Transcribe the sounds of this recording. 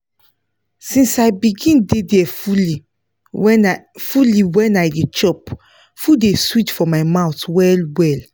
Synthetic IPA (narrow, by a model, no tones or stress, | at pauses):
sĩnsaɪbiɡĩndedɛfuli | fuliwɛ̃najdet͡ʃɔp | fudeswit͡ʃfɔmaɪmaʊtwɛlwɛl